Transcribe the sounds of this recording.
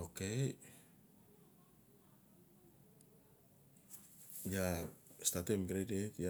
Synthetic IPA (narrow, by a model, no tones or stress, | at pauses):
oke | jast̪at̪umkɾedit̪ja